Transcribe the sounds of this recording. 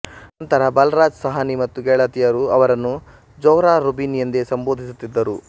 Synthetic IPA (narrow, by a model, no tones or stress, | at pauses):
nɐnt̪ɐɾɐbɐlɾaːd͡ʒsɐɦanimɐt̪ːuɡɛːɭɐt̪ijɐɾuɐʋɐɾɐnːu | d͡ʒɐwɾaːɾubinijɐnd̪esɐmboːd̪ʱisut̪ːid̪ːɐɾu